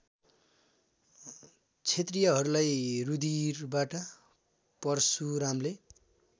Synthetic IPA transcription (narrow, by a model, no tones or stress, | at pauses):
t͡sʰet̪rijʌɦʌɾulajrud̪irbaʈʌ | pʌrsuɾamle